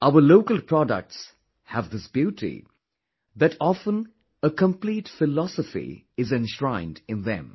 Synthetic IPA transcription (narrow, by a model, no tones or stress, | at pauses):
aʊəloʊkəlˠpʰɹ̥ɔdə̰k̚ts | həvðɪsb̥juːtʰḭ | ðɨtʰɔfə̃n | əkʰə̃mpliːtfɪlɔsəfḭ | ɪzɛ̃nʃɹãɪ̃ndɪ̃nðɛ̰̃m